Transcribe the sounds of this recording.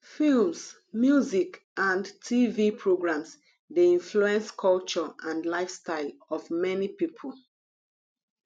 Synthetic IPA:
films | mjuzik | ãndtʰivipʰɹoɡɹãms | deĩnfluɛ̃nskʰɔlt͡ʃɔʔãndlaɪfstaɪlɔvmɛnipipʰol

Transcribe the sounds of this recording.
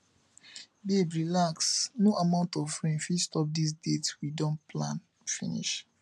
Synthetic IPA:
bebɹilaksnoʔamãʊ̃ntɔfɹĩnfistɔp̚dis̬detwidɔ̃nplãn | fḭ̃nḭʃ

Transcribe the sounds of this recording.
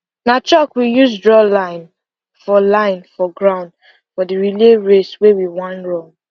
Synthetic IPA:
nat͡ʃɔkwijusdɹɔlãɪ̃n | fɔlãɪ̃nfɔɡɹãʊ̃nd | fɔdiɹileɹeswewiwãnɹɔ̃ŋ

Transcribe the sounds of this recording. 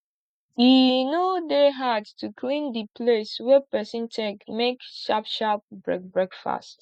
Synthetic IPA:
jinodeɦadtukʰlĩndipʰleswɛpɛsĩntʰɛkmekʃapʃap̚bɹɛ̰k̚bɹɛkfa̰st

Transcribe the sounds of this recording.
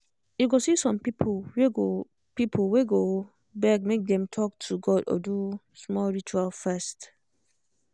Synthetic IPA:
juɡosisɔ̃mpipʰweɡo | pipʰolweɡo | bɛk̚mek̚d̪ɛ̃mtʰɔk̚tʰuɡɔdɔ̰du | smɔlɹit͡ʃualfɛst

